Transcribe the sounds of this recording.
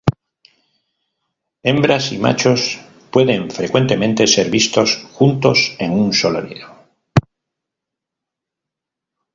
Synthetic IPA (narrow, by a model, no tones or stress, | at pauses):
e̞mbɾasima̰t͡ʃo̞s | pwe̞ðe̞ɱfɾe̞kwe̞nt̪e̞mẽ̞nt̪e̞se̞ɾβist̪o̞sxunt̪o̞se̞ŋunso̞lo̰ɾḭðo